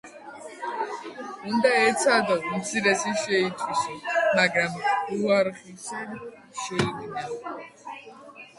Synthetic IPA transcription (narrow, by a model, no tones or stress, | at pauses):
und̪aɛt̪sʰad̪ɔmt̪sʰiɾɛsiʃɛit̪ʰwisɔmaɡɾamuaɾχisa | ʃɛiɡnɛ